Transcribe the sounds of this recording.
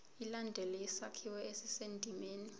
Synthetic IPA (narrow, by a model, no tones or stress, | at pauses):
ilandʱɛlɛisakʰiwɛesisendʱimeːni